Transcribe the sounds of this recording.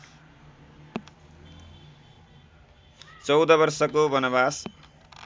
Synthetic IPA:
t͡sʌwd̪ʌbʌrsʌkobʌnʌbas

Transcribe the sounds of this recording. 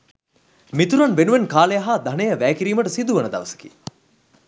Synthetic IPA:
mit̪uɾanʋenuʋenkaːlejaɦad̪ɐnejəʋæːkiɾiːməʈəsid̪uʋənəd̪a̰ʋəsə̥kḭ

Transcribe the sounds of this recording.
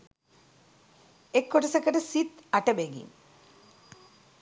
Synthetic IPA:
ekːoʈɐsɐkːɐʈɐsit̪ɐʈɐbeːɡḭm

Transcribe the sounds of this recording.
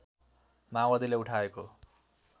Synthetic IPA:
mawʌd̪ileuʈʰaeko

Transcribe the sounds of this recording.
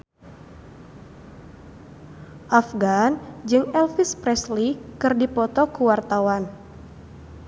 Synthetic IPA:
ʔafɡand͡ʒɨŋɛlfispɾɛslikɨrdipɔt̪ɔkuwart̪awan

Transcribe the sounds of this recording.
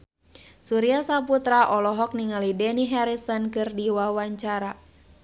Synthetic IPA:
suɾiasaput̪ɾaʔɔlɔɦɔk̚niŋalidɛniɦɛɾisɔnkɨrdiwawaɲt͡ʃaɾa

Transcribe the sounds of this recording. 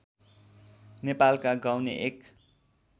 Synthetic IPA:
nepalkaɡawneʔek

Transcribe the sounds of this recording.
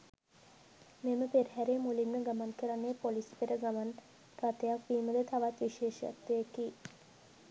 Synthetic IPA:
meməpeɾɦæɾemulimnəɡamankəɾanːepolispeɾəɡaman | rat̪ejakʋiːməd̪et̪aʋat̪ʋiʃeːʃa̰t̪ːəjeki

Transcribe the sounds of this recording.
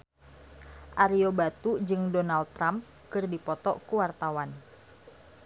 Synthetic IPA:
ʔaɾiobat̪ud͡ʒɨŋdonald̪̚ɾam | kɨrdipɔt̪ɔkuwart̪awan

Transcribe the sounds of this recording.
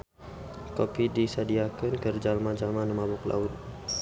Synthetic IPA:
kopidisadiakənkərd͡ʒalmad͡ʒalmanəmabʊkla̰ʊt̪̚

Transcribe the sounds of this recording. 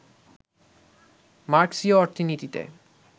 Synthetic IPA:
maɾksioɔɾt̪ʰinit̪it̪ḛ

